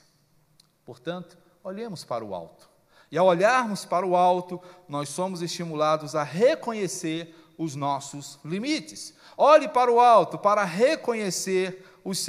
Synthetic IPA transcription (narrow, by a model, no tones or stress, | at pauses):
poɾt̪ɐ̃nt̪ʊ̥ | oʎẽmʊspaɾɐʊa̰wt̪ʊ̥ | ɪawoʎaɾmʊspaɾɐʊawt̪ʊnɔsõmʊzest͡ʃimulad̪ʊzɐɦekõɲeseɾ | ʊznɔsʊslimit͡ʃɪs | ɔʎɪpaɾʊawt̪ʊpaɾɐɦekõɲeseɾ | ʊs